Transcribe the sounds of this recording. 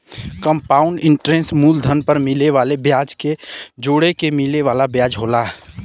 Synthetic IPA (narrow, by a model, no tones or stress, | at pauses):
kəmpaːʊɳɖɪ̃ɳʈɾẽnsmuːld̪ʱənpəɾmɪleʋaːlebjaːd͡ʒked͡ʒoːɽekemɪleʋaːlabjaːd͡ʒɦoːlaː